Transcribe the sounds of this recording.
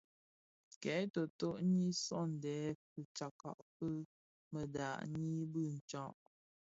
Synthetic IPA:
kɛ˨˦to˨to˦ʔɲi˦sɔ˦n̩˨dɛː˨˦pə˨t͡ʃa˨ka̰˨ʔpə˦ | mə˨da̰˨ʔɲi˦bɨ˦˨n̩˨t͡ʃɔ̃˦ʔ

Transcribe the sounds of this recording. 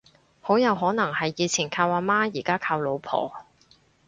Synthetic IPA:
ho˨˥wjɐ˨˧wɦɔː˨˥nɐ˨˩ŋhɐ˨jːiː˨˧t͡sʰiː˨˩nkʰaː˧waː˧maː˥jiː˨˩kaː˥kʰaː˧wlo˨˧wpʰɔ̰ː˨˩

